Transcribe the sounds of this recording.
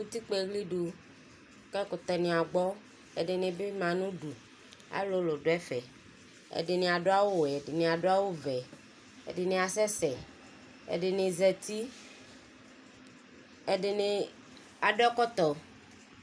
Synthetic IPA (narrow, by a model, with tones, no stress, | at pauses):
ŋũ˦t̪i˦k͡pe˦˨ɣli˦ɖu˨ | kɛ˦ko˨t̪ɔ˨nẽ˨a˨ɡ͡bɔ˦ | e˨ɖe˨nẽ˨be˦mã˨nũ˦ɖu˨ | a̰˨˦lo˦lo˨ɖo˨˦ɛ˦fɛ˨ | ḛ˨ɖe˨nẽ˨a˨ɖo˦a˦wo˦wɛ˨ɖe˨nẽ˨a˨ɖo˦a˦wo˦vɛ˨ | ḛ˨ɖe˨nẽ˨a˨sɛ˦sɛ˨ | ḛ˨ɖe˨nẽ˨zɛ˨t̪i˦ | e˨ɖe˨ne˨ | a˨ɖɔ˦kɔ˦t̪ɔ˨